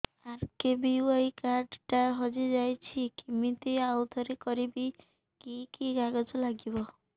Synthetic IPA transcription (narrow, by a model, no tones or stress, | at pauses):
aɾkebiwojkaɾɖʈaɦod͡ʒid͡ʒajt͡ʃʰikimit̪eawd̪ʱɔɾekɔɾibi | kikiɡaɡɔt̪ɔlaɡibɔ